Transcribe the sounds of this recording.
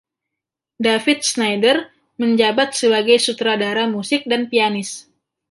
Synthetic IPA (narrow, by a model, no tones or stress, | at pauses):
dafɪt̪̚snajdər | məɲd͡ʒabat̪̚səbaɡajsut̪ɾadaɾamusɪk̚danpianɪs